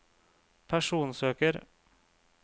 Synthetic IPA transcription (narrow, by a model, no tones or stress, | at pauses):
pʰæʂuːnsøːkəɾ